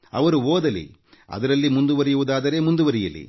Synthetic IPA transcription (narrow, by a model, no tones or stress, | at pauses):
ɐ̰ʋɐɾuoːd̪ɐlḭ | ɐ̰d̪ɐɾɐlːimund̪uʋɐɾɛjuʋud̪aːd̪ɐɾe̞ːmund̪uʋɐɾɛjɐlḭ